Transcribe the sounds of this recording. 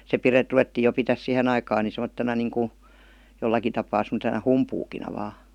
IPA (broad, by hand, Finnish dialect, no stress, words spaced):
se pire ruʋetːiː jo pitæs sihen ɑikɑːn ni semotːenɑ niːŋku jolːɑki tɑpɑː semə̆tenɑ humpuːkinɑ ʋɑ